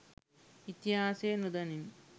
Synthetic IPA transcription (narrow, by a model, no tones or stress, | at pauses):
it̪iɦaːseːnud̪ɐnim